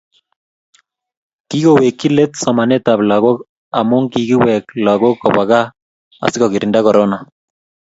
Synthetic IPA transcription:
ki˦ɣowe˨kːi˦le˦tsɔ˨ma˨ne˦ta˨βla˨ɣo˦k | a˨mo˦ŋki˨ɣi˦wɛ˨kla˨ɣo˦kɔ˨βa˨ɣa˦ | a̰˨si˦kɔki˨ɾi˨nda˦kɔ˨ɾona˨

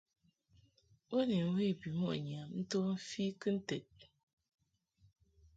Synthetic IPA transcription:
wo˦ni˨n̩˦we˦˨bi˨mɔ˦˨a˨ɲ˨a˨mn̩˦to˦m̩˦fi˦kɨ˦n̩˦te˨t̚

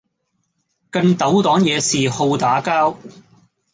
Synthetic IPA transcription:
kɐ˧nt̪ɐ˨˥wt̪ɔː˨˥ŋjɛː˨˧siː˨ho˧wt̪aː˨˥kaː˥w

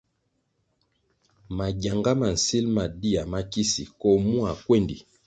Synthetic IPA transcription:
ma˨ɟa˨ŋɡa˦ma˨n̩˨si˦lma˨di˦a˨ma˦ki˦sḭ˨kɔ˦mu˦a˨kwe˦˨ndḭ˨

